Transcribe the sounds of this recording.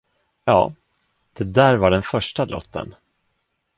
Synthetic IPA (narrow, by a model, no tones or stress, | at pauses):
jɑ̰ː | d̪̥ɛd̪æːɾvaɖɛnfœʂʈalɔ̰t̪ʰːə̰n